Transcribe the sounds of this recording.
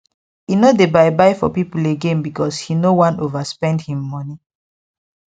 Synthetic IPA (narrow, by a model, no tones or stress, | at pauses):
inodebaɪbaɪfɔ̰pipuleɡẽnbikɔshinowãnovaspɛ̃ndhĩmːɔni